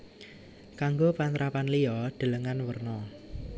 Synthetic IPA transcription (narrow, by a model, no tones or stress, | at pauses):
kaŋɡopant̪ɾʔapanlijɔɖ̪̥ə̤ləŋanwərnɔ